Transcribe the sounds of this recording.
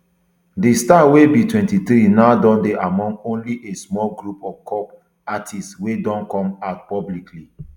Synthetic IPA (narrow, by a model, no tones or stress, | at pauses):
distawebitwɛ̃ntiθɾinaʊdɔ̃ndeʔamɔ̃ŋɡõnliʔesmɔlɡɹupɔvkʰɔp | atʰistwedɔ̃nkɔ̃mat̚pɔblikʰli